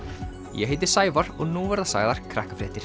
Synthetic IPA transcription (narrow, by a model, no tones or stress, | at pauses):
jɛ̰ɦeːjt̪ɪɾ̥saːjvaɾɔɣnuvɛɾðasa̰ɣðaɾ̥kʰɾahkḁfɾɛːht̪ɪɾ̥